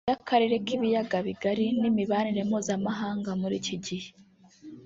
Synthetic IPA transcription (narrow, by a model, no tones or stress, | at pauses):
akʰaɾiɾe̞kiβijaɡaβiɡaɾinimiβaniɾe̞mhuːzamaɦaːŋɡamuɾḭːciɟihe